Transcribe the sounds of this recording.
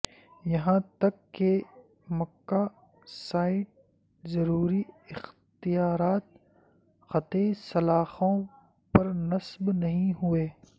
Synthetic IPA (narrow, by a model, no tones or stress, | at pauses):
jɐɦãt̪ɐkːe | mɐkːaː | saːɪʈ̚ | zɐɾuːɾiɪxt̪ijaːɾaːt̪̚ | xɐt̪esɐlaːxõ | pɐɾnɐsbnɐɦĩɦʊeː